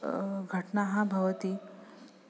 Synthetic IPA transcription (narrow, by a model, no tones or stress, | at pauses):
ɡʱəʈnaɦãbʱəʋət̪iː